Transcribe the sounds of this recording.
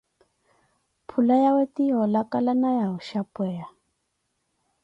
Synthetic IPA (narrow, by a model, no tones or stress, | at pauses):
pʰulajawɛt̪iɦɔlakalanajauʃapwɛa